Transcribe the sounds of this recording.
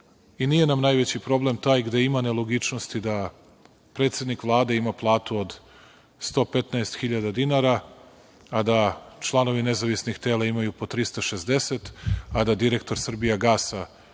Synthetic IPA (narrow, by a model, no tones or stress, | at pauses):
inije̞namnajʋet͡ɕipɾo̞ble̞mt̪aːjɡd̪e̞imane̞lˠoɡit͡ʃnost̪id̪a | pɾe̞ːt̪sʲe̞d̪nikʋlˠaːd̪e̞imaplˠaːt̪uod̪ | st̪o̞ːpe̞t̪naest̪xiʎad̪ad̪inaɾa | ad̪at͡ʃlˠano̞ʋine̞zaʋisnixt̪e̞ːlˠaimajupo̞t̪ɾist̪aʃe̞zd̪e̞set̪ad̪ad̪iɾe̞k̚t̪o̞ɾsr̩bijaɡaːsa